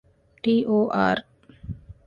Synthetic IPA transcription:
ʈiːʔoːʔa̰ːɾ

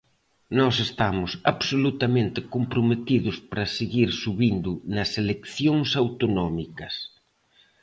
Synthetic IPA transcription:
nɔsest̪amʊsaβsolut̪ɐmẽnt̪ɪkompɾomet̪iðʊspaɾɐseɣiɾsuβind̪ʊnɐselekθjoŋsawt̪onɔmikɐs

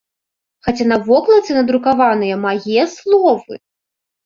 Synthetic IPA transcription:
xat͡sʲanɐvɔklˠɐt̪sɨnɐd̪ɾukavanɨjɐmajɛslˠɔvɨ̰

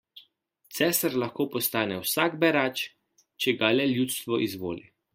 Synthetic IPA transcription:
t̪sɛːsaɾlaxkoːpɔst̪aːnɛwsaɡbɛɾaːt͡ʃ | t͡ʃɛɡalɛljut̪st̪ʋɔʔizʋo̰ːlḭ

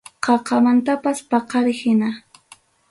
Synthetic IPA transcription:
qʰɑqɑmant̪apaspɑqɑɾɪhɪna

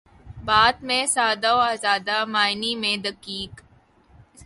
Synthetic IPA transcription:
baːd̪mẽsaːd̪aoaːzaːd̪amaːɪnimẽd̪ɐkiːk

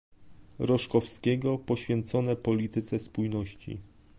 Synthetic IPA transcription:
ɾɔʂkɔfskʲɛɡɔpɔɕfʲjɛnt̪sɔnɛpɔlʲit̪ɘt̪sɛspujnɔɕt͡ɕḭ

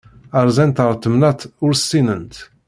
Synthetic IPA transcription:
əɾˤzɛnt̪əɾˤt̪ːəmnæt̪ʊɾsinənt̪

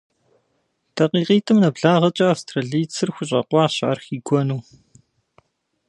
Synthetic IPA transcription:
tʰɐqiːqiːtʰɨmnɐbɮaːʁɐt͡ʃʼɐastʰrɐɮiːt͡sʰɨrxʷʊɕʼɐ̰qʷɑːɕʕarxiːɡʷɔnuː

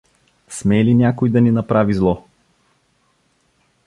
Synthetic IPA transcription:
smɛlinʲakojd̪ɐninɐpɾavizlˠɔ

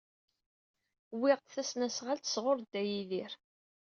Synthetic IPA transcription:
wɪʁt̪θæsnæsʁalt̪ə̥sʁoɾˤd̪ːæjiðiɾ

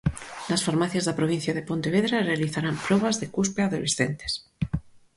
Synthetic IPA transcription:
lasfaɾmaθjazðapɾoβ̞in̟θjað̞epõnt̪eβeðɾarealiθaɾampɾoβ̞azðekuspeaðolesθent̪e̥s

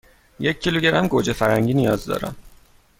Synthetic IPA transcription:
jecʰːiluɟeɾæmɡod͡ʒefæɾæŋɟiːnijɒːzd̪ɒ̰ːɾæ̰m

